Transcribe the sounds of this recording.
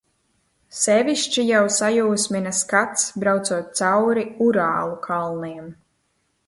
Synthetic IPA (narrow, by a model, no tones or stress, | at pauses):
sɛvʲiʃt͡ʃijawsajuːsmʲinaskat̪sbɾawt̪suɔt̪̚t̪sawɾiuɾaːlˠukʰalˠniɛm